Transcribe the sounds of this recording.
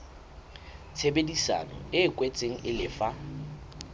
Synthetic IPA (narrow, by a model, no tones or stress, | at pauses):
t͡sʰebedisa̰nɔ̰ɪːkʼwet͡sʼeŋ̩ʔɪlɪːfa